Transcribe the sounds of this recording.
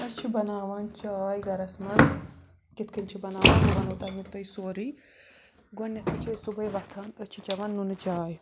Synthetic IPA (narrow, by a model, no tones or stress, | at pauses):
ɐt͡ʃʰibɐnaːʋɐnt͡ʃaːjɡɐɾɐsmɐz | kit̪kʰɐnt͡ʃʰibɐnaːʋɐnd͡ʒuʋɐnot̪aːmut̪ɐjsoːɾi | ɡonːɐt̪ʰɐt͡ʃʰɐjsubɐjʋɐt̪ʰaːnɐt͡ʃʰit͡ʃɐʋɐnːunɨt͡ʃaːj